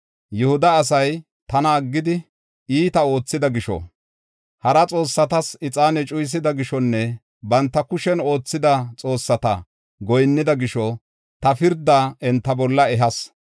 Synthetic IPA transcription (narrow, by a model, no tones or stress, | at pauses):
jʊhʊd̪ɐːs̬ɐj | t̪ɐnɐːɡːɪd̪ɪ | iːt̪ɐo̞ːt͡sːɪd̪ɐɡɪʃɔ̰ | hɐɾɐt͡sʼo̞ːsːɐt̪ɐsɪt͡sʼaːnɛt͡ʃʼʊjs̬ɪd̪ɐɡɪʃɔnːɛ | bɐnt̪ːɐkʊʃɛno̞ːt͡sːɪd̪ɐt͡sʼo̞ːsːɐt̪ɐ̰ | ɡɔjnːɪd̪ɐɡɪʃɔ | t̪ɐfɪɾd̪aɛnt̪ːɐbɔlːɐɛɦɐs